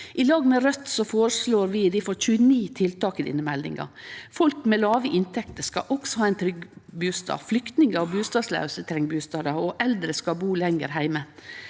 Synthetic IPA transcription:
ʔɪlɑːɡmɛɾœt̪sɔfoːɾəsloːɾʋɪd̪ɪfɔɾc͡çʉːəniːt̪ʰɪlt̪ɑːkəd̪ɪ̰ːnəmɛld̪ɪ̰ŋɑ̰fɔlkmɛlɑːʋəʔɪnt̪ʰɛkt̪əskɑ̰ʔɔksɔhɑːæɪnt̪ʰɾʏɡbʉːst̪ɑ̰ːflʏkt̪nɪŋəɔbʉːst̪ɑːd̪slæ̰ʉsət̪ʰɾɛŋbʉːst̪ɑːd̪əɔʔɛld̪ɾəskɑbuːlɛŋəɾɦæɪmə

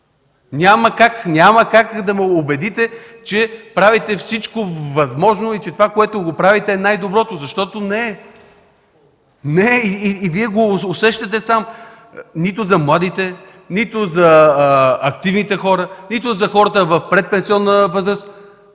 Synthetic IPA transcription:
nʲaməkaknʲaməkakd̪ɐmɛobɛd̪it̪ɛt͡ʃɛpɾavit̪ɛfsit͡ʃkovɐzmɔʒnoit͡ʃɛt̪ovakoɛt̪ʊɡopɾavit̪ɛːnajd̪obɾɔt̪ozɐʃt̪ɔt̪onɛ | nɛiiːviɛɡoːsɛʃt̪ɐt̪̬ɛsam | nit̪ʊzɐmlˠad̪it̪ɛ | nit̪ʊzɐ | ɐk̚t̪ivnit̪ɛxɔɾənit̪ʊzɐxɔɾət̪əvɐfpɾɛt̪̚pɛ̃nsiɔnːəvɤzɾəst̪

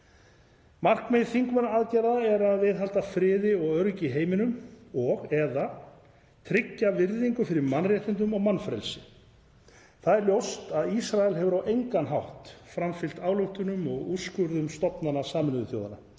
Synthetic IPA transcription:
mar̥kmejðθiŋkmɛnaaːðcajɾaðaɛɾaðvɪðɦal̥t̪afɾɪːðɪɔɣœɾcɪɦeːjmɪnʏmɔɣɛða | t̪ʰɾɪcːavɪɾðiŋkʏfɪɾɪɾmanrjɛht̪ɪnt̪̬ʏmɔɣmanfɾɛ̰lsɪ | θaðɛɾljowst̪aðisɾaɛlɦɛvʏɾawʔejŋkanɦawht̪fɾamfɪl̥t̪aːwlowht̪ʏnʏmɔɣuskʏɾðʏmst̪ɔpnanasaːmʏnʏðʏθjo̰wða̰na̰

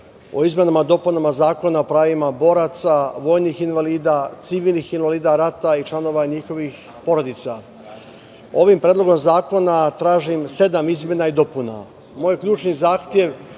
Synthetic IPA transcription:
o̞̰izme̞namad̪o̞punamazaːko̞naopɾaːʋimabo̞ɾat̪saʋo̞ːjnixinʋaliːd̪at̪siʋiːlnixinʋaliːd̪aɾat̪ait͡ʃlˠano̞ʋaɲixo̞ʋix | po̞ɾo̞d̪it̪sa | o̞ʋimpɾeːd̪lˠo̞ɡo̞mzaːko̞nat̪ɾaːʒimse̞d̪amizmʲje̞naid̪o̞puna̰ | moːjkʎʲuːt͡ʃnizaːxt̪jeʋ

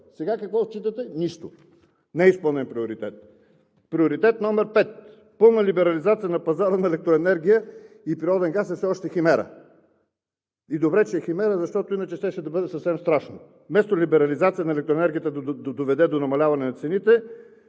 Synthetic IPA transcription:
sɛɡakɐkvɔt͡ʃːit̪ət̪ɛniʃt̪o | nɛispəlˠnɛnpɾioɾit̪ɛt̪̚ | pɾioɾit̪ɛt̪nɔmɛɾpɛt̪̚ | pɤlˠnəlibɛɾɐlizat̪sijənɐpɐzaɾənɐɛlɛk̚t̪ɾoɛnɛɾɡ̟ʲijə | ipɾiɾɔd̪ɛnɡasɛfsɛɔʃt̪ɛximɛɾə̰ | id̪obɾɛt͡ʃɛːximɛɾəzɐʃt̪ɔt̪ʊinət͡ʃɛʃt̪ɛʃɛd̪ɐbɤd̪ɛsɐfsɛmst̪ɾaʃno | mɛst̪olibɛɾɐlizat̪sijənɐɛlɛk̚t̪ɾoɛnɛɾɡʲijət̪əd̪ɐd̪d̪ovɛd̪ɛd̪onɐmɐlʲavɐnɛnɐt̪sɛnit̪ɛ

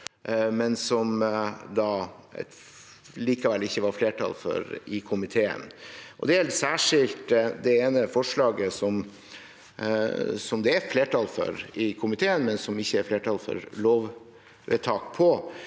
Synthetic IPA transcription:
mɛnsɔmd̪ɑ | liːkɑʋɛlɪçːəʋɑɾfleːʈʰɑ̰lfœ̰ɾɪkʰʊmɪt̪ʰeːə̰nʔɔ̰d̪ɛɛlsæːʂɪlt̪d̪ɛeːnəfɔʂlɑːɡəsɔm | sɔmd̪ɛæfleːʈʰɑlfœ̰ɾɪkʰʊmɪt̪ʰeːənmɛnsɔmɪçːəɛfleːʈʰɑlfɔ̰ɾloːʋ | ʋḛt̪ʰɑːkpʰɔ

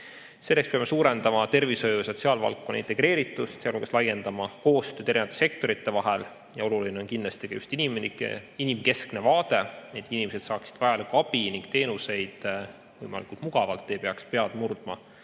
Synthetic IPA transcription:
se̞lːe̞kspeɑme̞suːɾend̪ɑmɑt̪e̞rvisojujɑso̞t̪ʲsiɑːlvɑ̰lkːo̞nːɑ̰int̪e̞ɡ̥ɾe̞ːɾit̪ːˑust̪seɑloɡ̥ɑslɑje̞nd̪̥ɑmɑko̞ːst̪øːd̪eɾinvɑt̪esekt̪o̞ɾit̪ːe̞vɑɦɛl | jɑo̞luline̞o̞nkinːlɑst̪i̥kɑjust̪inimn̰inimke̞skne̞vɑːt̪e̞neːd̪̥inimesed̪sɑːksid̪̥vɑjɑlɑkɑb̥iniŋkt̪e̞ːnuse̞jd̪̥ | vɤjmɑ̰likˑult̪muɡ̥ɑvɑlt̪ːe̞pe̞ɑkspe̞ɑd̪murd̪̥mɑ̰

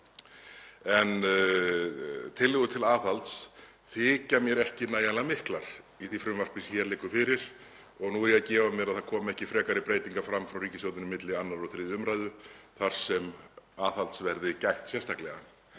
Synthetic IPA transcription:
ɛn | t̪ʰɪlːɪɣʏt̪ʰɪlaːθalt̪s | θɪcamjɛɾɛhcɪnaːjalamɪhklaɾ̥ | iθifɾʏmvar̥pɪsçɛɾlɪkːʏfɪɾɪɾ̥ | ɔɣnuɛɾjɛðcɛːvamjɛɾaðθaðkʰɔːmɛhcɪfɾɛːkaɾɪpɾeːjt̪iŋkafɾamːfɾawɾiːcɪsjowt̪ɪnɪmɪt̪lɪanːaɾɔɣθɾɪðʏmɾajðʏθaɾ̥sɛmaːθalt̪svɛɾðɪcajht̪sjɛnst̪aklɛɣa

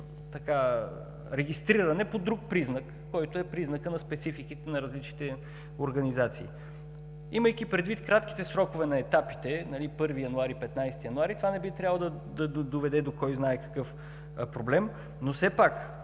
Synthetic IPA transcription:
t̪ɐka | ɾɛɡʲist̪ɾiɾɐnɛpod̪ɾuk̚pɾiznəkːɔjt̪oɛpɾiznəkənɐspɛt̪sifikit̪ɛnɐɾɐzlit͡ʃnit̪ɛ | oɾɡɐnizat̪sḭː | iməjkipɾɛd̪vit̪kɾat̪k̟i̥t̪ɛsɾɔkovɛnɐɛt̪api̥t̪ɛnɐlipɤɾvijɐnuaɾipɛt̪najst̪ijɐnʊaɾit̪ovanɛbit̪ɾʲjavlˠd̪ɐ | d̪ɐd̪ovɛd̪ɛd̪okɔjznaɛkɐ̥kɤf | pɾoblɛm | nosɛpak

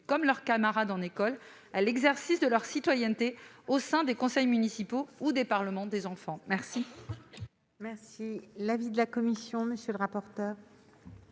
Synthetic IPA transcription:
kɔmlœʁkamaʁad̪ɑ̃nekɔl | alɛɡzɛʁsisd̪əlœʁsit̪wajɛnt̪eosɛ̃d̪ekɔ̃sɛjmynisipoud̪epaʁləmɑ̃d̪ezɑ̃fɑ̃mɛʁsi | mɛʁsilavid̪əlakɔmisjɔ̃məsjøləʁapɔʁt̪œːʁ

